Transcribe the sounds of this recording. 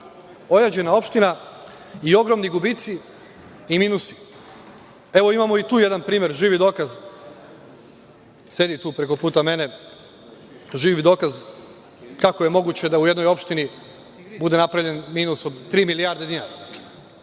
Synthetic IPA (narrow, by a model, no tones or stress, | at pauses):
o̞jad͡ʑe̞nao̞pʃt̪ina | io̞ɡɾo̞mniɡubit̪si | imiːnusi̥ | e̞ʋo̞imamo̞it̪uːje̞d̪anpɾiːmje̞ɾʒiːʋid̪o̞ːkaz | se̞d̪it̪uːpɾe̞ko̞puːt̪ame̞ne̞ | ʒiːʋid̪o̞ːkaz | kako̞je̞mo̞ɡut͡ɕe̞d̪auje̞d̪no̞jo̞pʃt̪ini | bud̪e̞napɾavʎe̞nmiːnusod̪t̪ɾiːmilijaɾd̪ed̪inaɾa